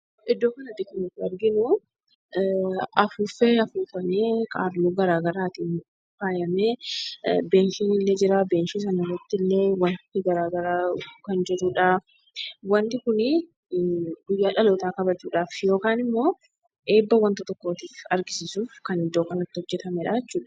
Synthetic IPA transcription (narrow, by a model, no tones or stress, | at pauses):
ɪd̪ːo̞ːkɐnɐt̪ːɪkʊnɪt̪ːɪɐɾɡɪnʊ | ɐfuːfeɐfuːfɐmeːkʼa̰ːɾluːɡɐɾaːɡɐɾaːt̪iːn | faːjɐmeː | be̞ːnʃiːnɪlːeːd͡ʒɪɾaːbe̞ːnʃis̬ɐnɐrːɐt̪ːɪlːe̞ːwɐnt̪ɪɡɐɾaːɡɐɾaːkɐnd͡ʒɛɾuːᶑaː | wɐnt̪ɪkʊnɪ | ɡʊjːaːᶑɐloːt̪aːkɐbɐt͡ʃːuːᶑaːfjo̞ːkaːnɪmːo̞ː | ʔe̞ːbːɐwɐnt̪ɐt̪ɔkːo̞ːt̪iːfɐɾɡɪsɪsuːfkɐnɪd̪o̞ːkɐnɐt̪ːɪhɔd͡ʒːɛt̪ɐmɛᶑaːɛt͡ʃːuːᶑɐ̥